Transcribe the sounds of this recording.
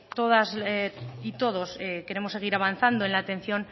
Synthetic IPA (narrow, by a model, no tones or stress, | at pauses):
t̪o̞ðazit̪o̞ð̞o̞seke̞ɾe̞mose̞ɣ̞iɾaβanθand̪oenlaːt̪ẽ̞n̟θjo̞n